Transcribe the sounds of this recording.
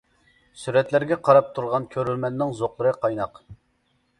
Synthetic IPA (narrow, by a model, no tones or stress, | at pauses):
syɾɛt̪læɾɡʲɛqʰɑɾɑp̚t̪ʰuɾʁɑnkʲʰøɾylmɛnːɪŋzoqlˠəɾɨqʰɑjnɑq